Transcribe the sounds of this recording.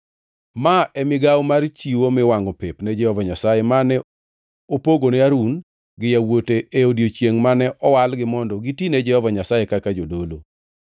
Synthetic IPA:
maɛmɪɡawmart͡ʃiwomɪwaŋɡɔpepnɛd͡ʒɛhɔvaɲasajemanɛ | opoɡonɛaɾun | ɡɪjawoteʔeodjot͡ʃjeŋmanɛʔɔwalɡɪmɔndɔɡitinɛd͡ʒɛhɔvaɲasajekakad͡ʒodolo

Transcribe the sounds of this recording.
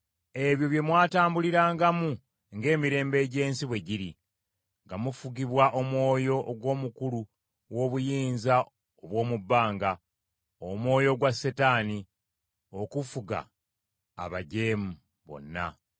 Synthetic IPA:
e̞βjo̞βje̞mwaːtaːmbuliɾaːŋɡamu | ŋɡe̞ːmiɾe̞ːmbe̞ːɟe̞ːnsiβwe̞ɟiɾi | ŋɡamufuɡiβwaʔo̞mwo̞ːjo̞ʔːɡwo̞ːmukulu | wo̞ːβujiːnza | oβwo̞ːmubːaːŋɡa | omwo̞ːjo̞ɡwasetaːni | o̞kufuɡa̰ː | βaɟe̞ːmu | βo̞̰nːa̰

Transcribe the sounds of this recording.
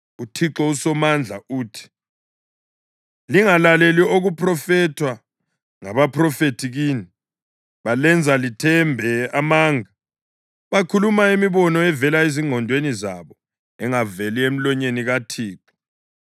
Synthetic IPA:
utʰiǁɔusɔmand͡ɮʱa̰uːtʰi̥ | liŋalalelioɣupʰrɔfɛtʰwa | ŋaβapʰrɔfetʰiɣiːni | βalɛnd͡zʱalitʰɛmbʱɛamaːŋa | βakʰulumaemiβɔnɔɛvɛlaeziŋʱɔndʱwenizaβɔ | ɛŋavɛliem̩lɔɲeniɣatʰiːǁɔ̥

